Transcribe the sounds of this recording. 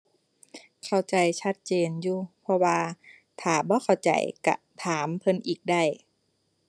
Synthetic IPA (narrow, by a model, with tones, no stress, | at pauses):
kʰa˧˩wt͡ɕa˨˩jt͡ɕʰa˧˥t̪̚t͡ɕeː˨njuː˧˩pʰɔ˧waː˧ | t̪ʰaː˨˩bɔː˧˦kʰa˨˩wt͡ɕa̰˨˩jka̰˧ | t̪ʰaː˩˦mpʰɤ˧nʔiː˨˩k̚da˧˥˩j